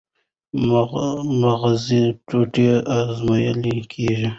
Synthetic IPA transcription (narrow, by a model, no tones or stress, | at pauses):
maɣziʈoʈeazmajalikʰeʒi